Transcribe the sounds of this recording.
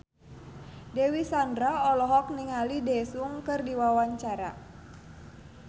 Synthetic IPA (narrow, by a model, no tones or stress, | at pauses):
dɛwisandɾaɔlɔɦɔk̚niŋalidɛsuŋkɨrdiwawaɲt͡ʃaɾa̰